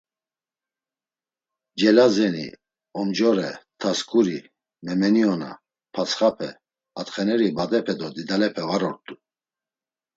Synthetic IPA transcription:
d͡ʒɛlazɛnḭ | ɔmd͡ʒɔɾɛ̰t̪ʰaskʰʼuɾi | mɛmɛniɔna̰ | pʰat͡sʰχapʰɛ | at̪χɛnɛɾibad̪ɛpʰɛd̪ɔd̪id̪alɛpʰɛvaɾɔɾt̪ʼu

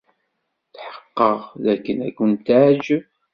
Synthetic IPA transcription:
θħə̥qːəʁðækːənæ̰kːʊnt̪aʕd͡ʒ

